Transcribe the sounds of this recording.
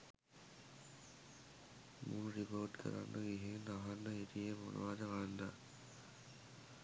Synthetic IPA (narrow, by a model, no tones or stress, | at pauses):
munɾipoːʈkʰə̰ɾa̰nːəɡiɦenaɦanːəɦit̪ijemo̰nṵʋaːd̪əkand̪a̰